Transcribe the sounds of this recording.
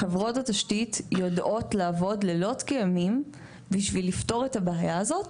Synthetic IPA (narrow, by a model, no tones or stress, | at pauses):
χevʁo̞tataʃtitjodʔo̞tlaːvo̞dlelo̞tkejamim | biʃvilifto̞ʁetabeajaːzo̞t